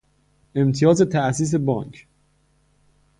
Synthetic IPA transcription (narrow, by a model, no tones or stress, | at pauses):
ʔe̞mt̪ʰijɒːzet̪ʰæʔsiːs̬e̞bɒːŋkʰ